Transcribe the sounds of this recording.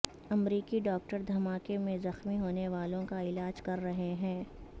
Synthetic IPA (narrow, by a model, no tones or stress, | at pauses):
ɐmɾiːkiɖɔːk̚ʈəɾd̪ʱɐmaːkemẽzɐxmiɦoːneʋaːlõkaɪlaːd͡ʒkɐɾːɐɦeɦɛ̃ː